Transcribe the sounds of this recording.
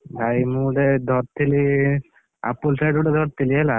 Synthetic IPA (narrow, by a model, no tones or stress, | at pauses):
bʱajmuɖed̪ʱɔɾt̪ʰːili | a̰pulsajɖuɖed̪ʱɔɾt̪ʰːiliɦɛla